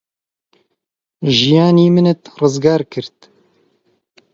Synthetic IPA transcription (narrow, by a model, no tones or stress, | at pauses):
ʒijɑːniːmɨnɨt̪rɨzɡɑːɾkʰɨɾt̪